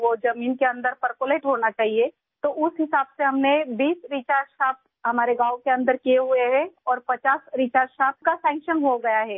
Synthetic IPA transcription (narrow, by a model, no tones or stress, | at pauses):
ʋod͡ʒɐmiːnkeɐ̃nd̪əɾpɐɾkoːleːʈɦoːnat͡ʃaːɦie | t̪oʔʊsɦɪsaːbseɦɐmnebiːsɾiːt͡ʃaːɾzʃaːp̚ | ɦɐmaːɾeɡaːwkeɐ̃nd̪əɾkieɦʊeɦɛ̃ɔːɾpɐt͡ʃaːsɾit͡ʃaːɾʃaːp̚kasɛ̃ːŋkʃənɦoɡɐjaɦɛː